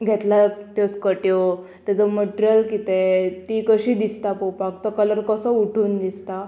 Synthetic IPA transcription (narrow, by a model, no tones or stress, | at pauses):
ɡʱet̪lat̪joskəʈjo | t̪jad͡zəməʈɾjəlkit̪et̪ikəɕiːd̪ist̪apopakt̪əkələɾkəsəuʈʰuːnd̪ist̪a